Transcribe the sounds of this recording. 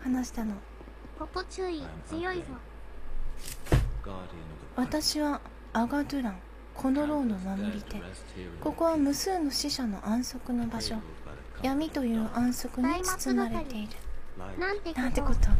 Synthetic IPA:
hanaɕi̥t̪ano̞ | oɨiɨjoia | βat̪aɕiβaː | ɡad̪ɯ̟ɾãŋ | kʰo̞no̞ɾo̞ːno̞mamoɾʲit̪e̞ | ko̞ko̞βamɯ̟sɨːno̞ɕiɕano̞̰ʔãɰ̃so̞kɯ̟no̞baɕo̞ | jamʲit̪o̞jɯ̟ːʔãɰ̃so̞kɯ̟ɲ̟it͡sɨ̥t͡sɨnaɾet̪e̞iɾɯ̟nãt̪enãnt̪ekot̪o

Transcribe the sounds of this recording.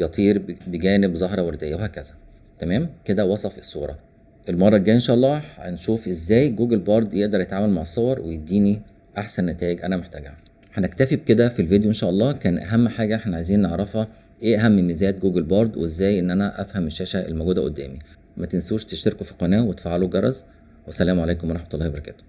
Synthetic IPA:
jɑt̪ˤiːɾbeɡæːnebzˤɑɦɾˤɑweɾd̪ejæwehæːkæzæ | t̪æmæːmked̪æwɑsˤɑfe̥sˤːṵːɾˤɑ̰ | ʔelmɑrˤːɑɡæːjʔenʃæːʔɑlˤːɑːħæ̰nʃuːfʔezːæːjɡuːɡælbɑːɾˤd̪jeʔd̪ɑɾˤjet̪ʕaːmælmaʕesˤːowɑɾˤwejed̪ːiːni | ʔaħsænːæt̪æːjeɡʔænæmoħt̪æɡ | ħænækt̪æfib̚ked̪æfilvid̪joʔenʃæːʔɑlˤːɑːkæːnʔæ̰ɦæmːħaːɡæʔħnæʕajziːnneʕɾˤɑfhɑ | ʔeːʔæɦæmːenmezæːt̪̚ɡuːɡelbɑːɾˤd̪weezːæːjʔenːʔænæʔæfhæmeʃːæːʃæʔḛlmæɡuːd̪æʔo̰d̪ːæ̰ːmi | mæt̪ensuːʃt̪eʃt̪eɾkofi̥qɑnæːwet̪e̥faʕaluɡɑɾˤɑz | wʔæsːælæːmoʕaleːkomwɑˤɑħmæt̪olːˤɑːhbɑɾˤɑkæ̰ːt̪o̥

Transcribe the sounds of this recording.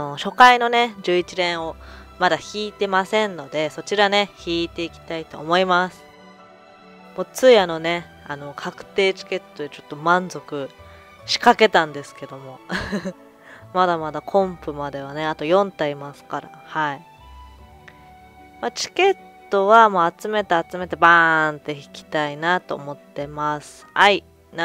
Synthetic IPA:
oɕo̞kaino̞ne̞d͡ʑɨːit͡ɕiɾẽ̞ɰ̃o̞mad̪açʲiːt̪e̞masẽ̞nno̞d̪e̞so̞t͡ɕiɾane̞çiːt̪e̞ikʲi̥t̪ait̪o̞ːmo̞imasɨ̥ | mot͡sɨiano̞ne̞ | ano̞kʰakɯ̟̥t̪e̞ːt͡ɕi̥ke̞t̪ːo̞d̪et͡ɕo̞̥t̪ːo̞mãnd͡zo̞kɯ̟ | ɕi̥kake̞t̪ãnd̪e̞sɨ̥ke̞d̪o̞mo̞ | mad̪amad̪akʰõ̞mpɯ̟mad̪e̞β̞ane̞at̪o̞jõ̞nt̪aimasɨ̥kaɾa̰hai | mat͡ɕi̥ke̞t̪ːo̞βamoːat͡sɨme̞t̪eat͡sɨme̞t̪e̞bant̪e̞i̥kʲi̥t̪ainat̪o̞̰ːmo̞t̪ːe̞masɨ̥hai | n

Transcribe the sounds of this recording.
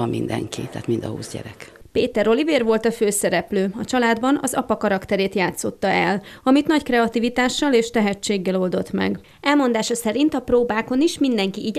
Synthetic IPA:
ɒmmind̪ɛ̰ŋkit̪ɛːt̪mind̪ɒhṵːzɟɛ̰ɾɛkpeːt̪ɛɾo̞liveːrʋo̞lt̪ɒføːsɛɾɛpløːɒt͡ʃɒlaːd̪bɒnɒzɒpɒkɒɾɒkt̪ɛɾeːt̪jaːt̪so̞t̪ːɒɛlɒmit̪nɒckrɛɒt̪ivit̪aːʃːɒleːʃt̪ɛɦɛt͡ʃːeːɡːɛlo̞ld̪o̞t̪mɛ̰ɡ | ɛlmo̞nd̪aːʃɒsɛɾint̪ɒproːbaːko̞niʃmind̪ɛŋkiʔiːɟ

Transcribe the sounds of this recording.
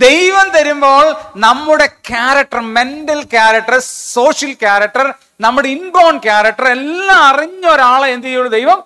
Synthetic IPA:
d̪e̞jʋɐmt̪ɐɾumbo̞ːɭnɐmːuɽekjaːɾɐk̚ʈːɐrme̞ndɐlkjaːɾɐk̚ʈːɐso̞ːʂjɐlkjaːɾɐk̚ʈːɐr | nɐmːuɽeinbo̞ːɳkjaːɾɐk̚ʈːɐrelːaɐriɲːɐoɾaːɭɐend̪ijuɭːɐd̪e̞jʋɐm

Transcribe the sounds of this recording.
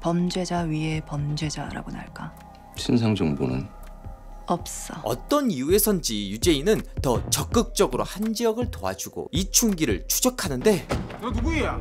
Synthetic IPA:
pʌmd͡ʑwe̞d͡ʑaɥiɦe̞pʌmd͡ʑwe̞d͡ʑaɾa̰ɡona̰ɭk͈a | t͡ɕʰins̬ʰaŋd͡ʑʌŋbo̰nɯ̰n | ʌp̚s͈ʌʌ̰t͈ʌniue̞sʰʌnd͡ʑijud͡ʑe̞inɯntʌt͡ɕʌk͈ɯk̚t͡ɕ͈ʌɡɯɾohand͡ʑiʌɡɯɭtoa̰d͡ʑuɡo̰it͡ɕʰuŋɡiɾɯɭt͡ɕʰud͡ʑʌkʰanɯnde̞nuɡueja

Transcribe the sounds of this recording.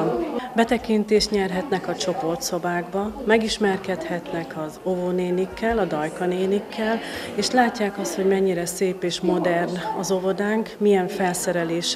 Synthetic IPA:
bɛt̪ɛkint̪eːʃt̪ɲɛrɦɛt̪nɛkɒt͡ʃo̞po̞rt̪so̞baːɡbɒmɛɡiʃmɛrkɛt̪hɛt̪nɛkɒzovoneːnikːɛlɒd̪ɒjkɒneːnikːɛl | eːʃlaːcːaːkɒst̪ho̞ɟmɛɲːiɾɛseːpeːʃmo̞d̪ɛrnɒzo̞vo̞d̪aːŋkmiɛɱfɛlsɛɾɛleːʃ

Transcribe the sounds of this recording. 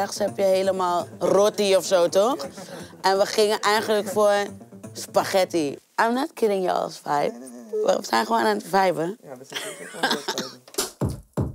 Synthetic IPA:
axshɛpjəheːləmalˠrɔtiɔfsoːtɔxʔɛnʋəxɪŋəʔɛjɣələkfospaxɛtiʔajmnɔtkʰɪlɪ̃ŋjə̰ɔ̰lsfajp̚ʋə̰əsɛnxəʋoːnantfajvə

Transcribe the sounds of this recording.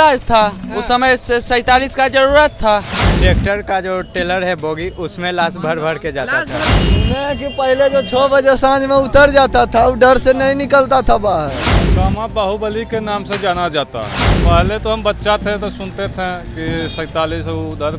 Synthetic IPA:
ad͡ʒt̪ʰausəməjsesə̃ɪt̪aliskad͡ʒəɾuɾət̪ʰːaʈeːk̚ʈəɾkad͡ʒoʈeːləɾɦɛboːɡiʔʊsmẽlaːsbʱəɾbʱəɽked͡ʒaːt̪aɛ̃mekipəɦiled͡ʒot͡ʃʰɔbəd͡ʒesãd͡ʒmẽʊt̪əɾd͡ʒaːt̪at̪ʰauɖəɾsenəĩnɪkəlt̪at̪ʰabaɦɛkaːmãbəɦubəlikenaːmsed͡ʒaːnad͡ʒaːt̪a̰ɦɛpəɦlet̪oɦəmbət̪ːʃat̪ʰẽt̪osʊnt̪et̪ʰẽkisə̃ɪt̪aːlisud̪əɾ

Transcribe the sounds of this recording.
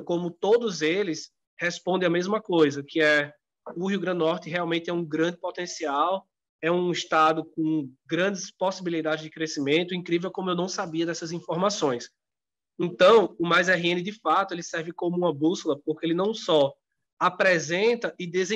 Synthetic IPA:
kõmʊt̪od̪ʊzelɪs | hɛspõnd̪ẽamezmɐkojzɐkɪɛ | ʊɦiuɡɾɐ̃nd̪nɔɾt̪ɪɦɛawmẽt̪ɪɛũɡɾɐ̃nd̪ɪpɔt̪ẽsiaw | ɛũiʃt̪ad̪ʊkõɡɾɐ̃d̪ɪsposibilid̪ad̪ɪzd͡ʒɪkɾesimẽnt̪ʊĩkɾivewkõmʊewnɐ̃w̃sabiɐd̪ɛsɐzĩfɔɾmasõj̃s | ẽnt̪ɐ̃w̃ʊmajzɛɦiẽnɪd̪ɪfat̪ʊelɪsɛɾvɪkõmʊũmɐbusʊlɐpoɾkeelɪnɐ̃w̃sɔ | apɾɛzẽnt̪ɐʔɪd̪ezẽ

